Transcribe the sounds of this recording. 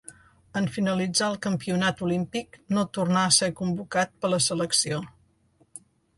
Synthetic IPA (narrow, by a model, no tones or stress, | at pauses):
əɱfinəlid͡zaəlˠkəmpiunat̪ulimpiknot̪urnaəsekumbukat̪̚pələsələksio